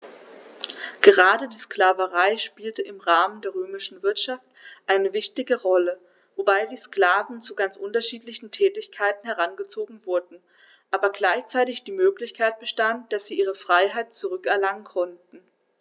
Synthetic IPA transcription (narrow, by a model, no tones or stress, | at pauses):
ɡ̥əʁaːdədiːsklaːvəʁaɪʃpiːltəɪmʁaːməndeːɐʁøːmɪʃn̩vɪɐtʃaftʔaɪnəvɪçtɪɡəʁɔlə | vobaɪdiːsklaːvn̩t͡suɡant͡sʔʊntɐʃiːtlɪçn̩tʰɛːtɪçkʰaɪtn̩hɛʁanɡət͡soːɡŋ̩vʊɐdn̩ | ʔaːbɐɡlaɪçt͡saɪtɪçd̥iːmøːklɪçkʰaɪt̚b̥əʃtantd̥asz̥iːʔiːʁ̞əfʁ̥aɪɦaɪt̚t͡suʁʏkɛɐlaŋənkʰɔntn̩